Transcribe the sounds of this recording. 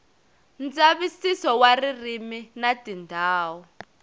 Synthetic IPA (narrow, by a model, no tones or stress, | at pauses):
nd͡zaβisisɔwaririminatindʱaːwɔ